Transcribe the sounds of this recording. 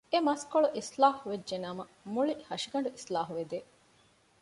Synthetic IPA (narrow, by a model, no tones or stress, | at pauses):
emɐskoɭuʔislaːhuʋed͡ʒːʒenaːmɐmuɭihɐʃiɡɐɳ̆ɖuʔislaːɦuʋed̪e